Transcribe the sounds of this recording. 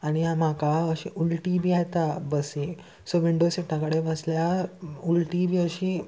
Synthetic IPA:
aɽ̃iamakaəɕiːʔulʈibiːajt̪abəsi | soʋiɳɖosiʈʰãkəɽeʋəsljaulʈibʱiːəɕiː

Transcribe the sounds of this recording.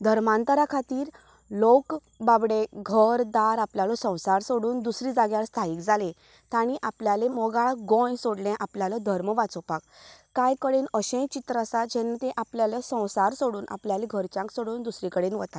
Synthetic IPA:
d̪ʱəɾmãnt̪əɾakʰat̪iːɾ | lok | babɽeɡʱəɾd̪aɾapljalɔsə̃w̃saɾsoɽuːnd̪usɾid͡zaɡjaɭst̪ʰaiːkd͡zalẽ | t̪aɽ̃iʔapljalemɔɡaɭɡɔ̃jsoɽlɛ̃ʔapljalɔd̪ʱəɾməʋat͡sɔpakː | ajkəɽenəɕẽjt͡ɕit̪ɾəasat̪d͡ʑɛ̃nt̪eʔapljalɔsə̃w̃saɾsoɽuːnʔa̰pljaleɡʱəɾt͡ɕãŋksoɽuːnd̪usɾikəɽenʋət̪a

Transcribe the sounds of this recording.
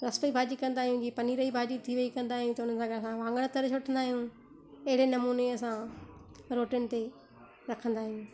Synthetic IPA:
ɾɐsʈəibʱaːd͡ʑikɐ̃nd̪aːɦijũd͡ʑiːpɐniːɾəibʱaːd͡ʑit̪ʰiʋɐikɐ̃nd̪aːɦijũt̪ɐʊn̤ənɪ̆sʰãːɡɐɐsãʋãːŋɡəɽ̃t̪ɐɾt͡ɕʰoʈʰə̃nd̪aːɦijũ | ɐɦɪɽenɐmuːneɐsã | ɾoːʈiʊnɪ̆t̪e | ɾɐkʰə̃nd̪aːɦijũ

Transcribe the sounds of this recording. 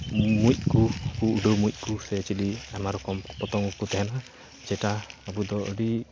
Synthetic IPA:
muc̚ˀkukuuɖomujc̚ˀkusɛt͡ʃiliamaɾɔkɔmpɔt̪ɔŋɡɔkut̪ɛɦɛna | d͡ʒɛʈaːbud̪ɔɔ̰ɖi

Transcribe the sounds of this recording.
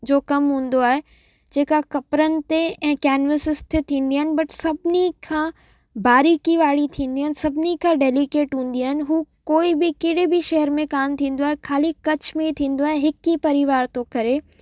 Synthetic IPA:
d͡ʑoːkɐmɦũːn̆d̪oaːɦe | d͡ʑeːkakɐpɾənɪ̆t̪eɛ̃ːkɛːnʋəsɪst̪ʰet̪ʰĩːn̆d̪iaːɦɪnɪ̆bɐʈsɐbʱɪnikʰãː | baːɾikiʋaːɽit̪ʰĩːnd̪iaːɪnɪ̆sɐbʱɪnikʰãːɖeːlikeːʈɦũːn̆d̪iaːɦɪnɪ̆ɦuːkoːibɪkɪɽebɪʃɐɦəɾmẽkaːmt̪ʰĩːn̆d̪oaːɦekʰaːlikɐt͡ɕmẽit̪ʰĩːn̆d̪oaːɦeɦɪkipɐɾɪʋaːɾt̪okɐɾe

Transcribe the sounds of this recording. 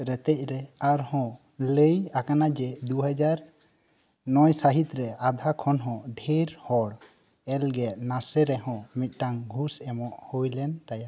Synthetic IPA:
ɾɛt̪ɛc̚ˀɾɛaɾhɔ̃ | ləjakanad͡ʒɛd̪uɦad͡ʒaɾ | nɔjsaɦit̪ɾɛad̪ʱakʰɔnɦɔ̃ɖʱeɾhɔɽ | ɛlɡɛʔnasɛɾɛɦɔ̃mit̪̚ˀʈaŋɡʱusɛmɔʔhojlɛnt̪aja

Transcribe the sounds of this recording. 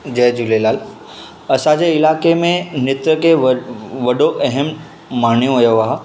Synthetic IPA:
d͡ʑɐɦd͡ʑulelaːl | ɐsãd͡ʑeɪlaːkemẽnɪt̪ɾəkeʋɐɗoʔɐɦəm | maːɳ̃jũɦɐjoʋaːɦ

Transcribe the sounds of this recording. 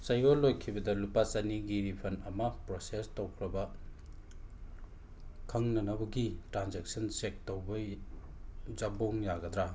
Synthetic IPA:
sɐjɡolːojkʰibɐdɐlupasɐniɡiɾipʰɐnɐmɐpɾosestowkʰɾɐbɐ | kʰɐŋnɐnɐbɐɡitɾanzek̚sɐnsek̚towbɐ | zaboŋjaɡɐd̪ɾa

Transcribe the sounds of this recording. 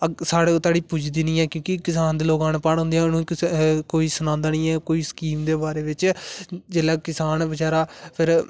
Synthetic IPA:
əsaːɽeːt̪aːɽiːpud͡ʒd̪iːnĩːɛːkjõːkikɪsaːnd̪iːloːɡaːnːpaːnɦõːnd̪ejãːnũːkɪkoːiːsənãːnd̪aːnĩːɛːkoːiːsə̥kiːmd̪eːbaːɾeːʋɪt͡ʃd͡ʒeːlɛːkɪsaːnbəd͡ʒaːɾaːpʰɪɾ

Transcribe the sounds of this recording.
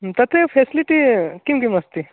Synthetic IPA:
t̪ɐt̪ʰepʰesiliʈikimkimɐst̪i

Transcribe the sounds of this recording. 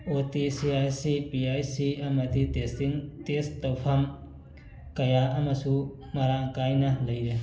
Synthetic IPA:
otisiajsipiajsiɐmɐditestiŋtestːɐwpʰɐm | kɐjaʔɐmɐsu | mɐɾaŋkajnɐlɐjɾe

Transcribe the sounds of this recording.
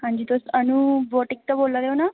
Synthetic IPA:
ɦãɲd͡ʑit̪osənuboʈik̚t̪əboːlːad̪eona

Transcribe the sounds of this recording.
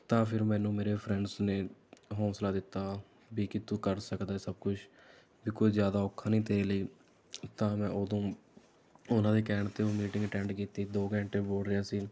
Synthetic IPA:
t̪ãːpʰɪɾmɛ̃ːnũːmeːɾeːpʰɾɛ̃ɳɖsneːɦɔ̃ːslaːd̪ɪt̪ːaː | biːkɪt̪ũːkəɾsəkd̪aːeːsəb̚kʊt͡ʃʰ | biːkoːiːzjaːd̪aːoːkʰːãːnĩːt̪eːeːləiː | t̪ãːmɛ̃ːʔoːd̪õː | ʊnãːd̪eːkɛːɳət̪eoːmiːʈɪ̃ŋɡʈɛ̃ːɳɖkiːt̪iːd̪oːɡɛ̃ːɳʈeːboːɽɾəjaːsiː

